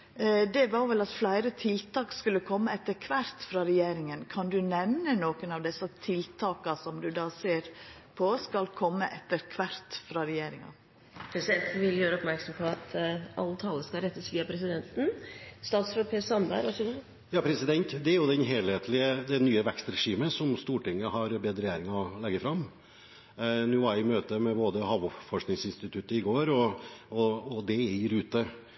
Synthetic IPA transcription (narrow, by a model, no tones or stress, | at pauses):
d̪ɛʋɑɾʋɛlɑt̪flæɪɾət̪ʰɪlt̪ʰɑːkskʉlːəkʰɔmːəɛt̪ːəɾkʰʋæɾt̪fɾɑːɾɛjeːɾɪŋənkʰɑnd̪ʉnɛʋnənoːkənɑʋd̪ɛsɑt̪ʰɪlt̪ʰɑːkɑsɔmd̪ʉd̪ɑːseːɾ | pʰɔskɑlkʰɔmːəʔɛt̪ːəɾkʰʋæɾt̪fɾɑːɾɛjeːɾɪŋɑ̰ | pʰɾɛsɪd̪ɛnt̪n̩ʋɪljøːɾəɔpmæɾksɔmpʰɔɑt̪ɑ̰lːət̪ʰɑlːəskɑɾɛt̪ːəsʋiːɑpʰɾɛsɪd̪ɛnt̪n̩st̪ɑːt̪sfɔpʰeːsɑnbæ̰ɪɾɑsɔɡ | jɑːpʰɾɛsɪd̪ɛnt̪d̪ɛæɾjʊd̪ɛnɦeːlheːt̪ʰlɪəd̪ɛnyːəʋɛkst̪ɾɛʂiːməsɔmst̪uːʈɪŋːəhɑɾbeːd̪ɾəjeːɾɪŋlɛɡːəfɾɑmː | nuːʋɑɾjæɪmøːt̪əmɛboːd̪əhɑʋʊfɔʂknɪŋsɪnst̪ɪt̪ʰʉt̪əɪɡoːɾɔɔːd̪ɛɾʉːt̪ə